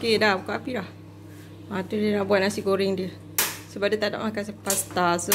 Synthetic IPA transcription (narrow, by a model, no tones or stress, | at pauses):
kedahbukaʔapilah | at̪udiənaʔbuat̪̚nasiɡoɾiŋdiə | səbaʔ̚dit̪ada̰ʔmakasəpast̪asə